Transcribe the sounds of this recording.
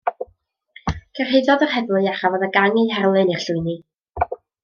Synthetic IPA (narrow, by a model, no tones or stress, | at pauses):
kʰərɦejðɔðərhɛvlˠʊaχavɔːðəɡaŋiɦɛrlˠɨnir̥ɬʊɨni